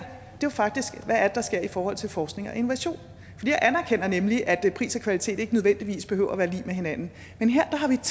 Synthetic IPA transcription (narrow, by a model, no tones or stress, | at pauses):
d̥e̝ʋafɑ̈ɡ̥̚d̥isɡ̥ʋææɐd̥ed̥ɑ̈sɡ̥e̝ɐ̰ifɒːhɒ̽l̰t͡sʰe̝lfɒːsɡ̥ne̝ŋɒ̽ʔe̝noʋæɕo̝̰ːn | fɒd̥ḭːjaʔænæɐkʰen̰ɐnemliʔæd̥pʰʁḭːsɐkʰʋælit͡sʰe̝̰ːd̥e̝ɡ̥ənøðˠend̥iʋḭːsb̥eɦø̰ʊ̰ɐʋæːɐlḭːmeɦe̝nænn̩ | menɦeɐ̰d̥ɑ̈ɦɑ̈ʋit͡sʰ